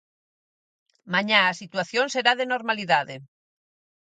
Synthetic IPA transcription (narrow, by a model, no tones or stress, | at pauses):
maɲaasit̪waθjonseɾaðenoɾmaliðaðe